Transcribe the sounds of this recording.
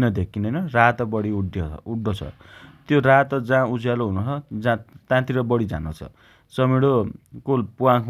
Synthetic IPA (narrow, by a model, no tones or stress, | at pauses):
nʌd̪ekʰːinʌjnʌrat̪ʌbʌɽiuɖuɽːʌt͡sʰʌ̰t̪jorat̪ʌd͡zãud͡zjaloɦunot͡sʰʌd͡zãt̪ãt̪iɾʌbʌɽid͡za̰not͡sʰʌ̰ | sʌmiɽokolpuwãkʰ